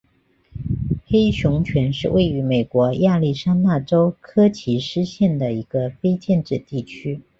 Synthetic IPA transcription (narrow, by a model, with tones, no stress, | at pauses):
xe˥ɪɕʊ˧˥ŋt͡ɕʰɥɛ˧˥nʂɻ̩˥˧wʔe˥˩ɪy˧˥me˨˩ɪkwɔ˧˥ja˥˧li˥˩ʂa˥nna˥˩ʈ͡ʂo˥ʊkʰɤ˥t͡ɕʰi˧˥ʂɻ̩˥ɕjɛ˥˩nd̪ə˩i˧˥ɡ̥ə˧fe˥ɪt͡ɕjɛ˥˧nʈ͡ʂɻ̩˥˩t̪i˥˩t͡ɕʰy˥